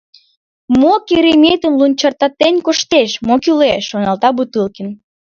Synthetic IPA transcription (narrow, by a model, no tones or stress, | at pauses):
mokiɾemʲet̪ənlunʲt͡ɕɑrt̪ɑt̪enʲkoʃt̪eʃmokyleʃːonɑlt̪ɑbut̪ɨlkən